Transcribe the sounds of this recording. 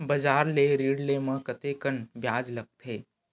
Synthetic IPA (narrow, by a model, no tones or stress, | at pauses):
bɐd͡ʒaːɾleɾiːɽleːmə̃kɐt̪eːkənbʱjaːd͡ʒlɐɡ̚t̪ʰeː